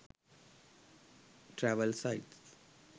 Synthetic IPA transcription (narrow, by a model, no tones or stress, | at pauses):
ʈɾæʋəlsaɪʈs